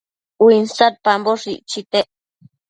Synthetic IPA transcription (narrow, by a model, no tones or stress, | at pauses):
winsaɾ̚pamboʂiʔt͡ʃit̪eʔ